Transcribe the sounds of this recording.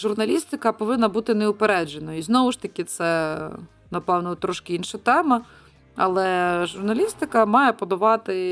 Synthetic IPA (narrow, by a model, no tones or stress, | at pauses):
ʒʊrnɐlʲist̪ɪkɐpɔʋɪnːɐbut̪ɪneʊpeɾɛd͡ʒenɔjiznɔʋʊʃt̪ɐkʲɪt̪sɛ | nɐpɛwnʊt̪ɾɔʃkɪinʃɐt̪ɛmɐ | ɐlˠɛʒʊrnɐlʲist̪ɪkɐmɑjɛpɔd̪ɐʋɑt̪ɪ